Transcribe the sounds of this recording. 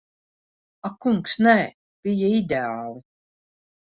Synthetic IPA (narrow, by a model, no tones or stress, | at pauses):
akuŋksnɛ | b̥ijaid̪ʲeaːlˠi